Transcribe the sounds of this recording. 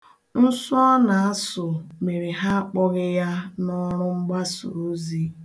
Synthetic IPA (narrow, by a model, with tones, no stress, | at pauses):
n̩˦sɔ˦na˨a˦sʊ˨me˨ɾe˨ɦa˦k͡pɔ˦ɣɪ˦ja˦nɔ˦ɾʊ˦ŋ͡m̩˦ɡ͡ba˦so̰˨ɾo˦zi˦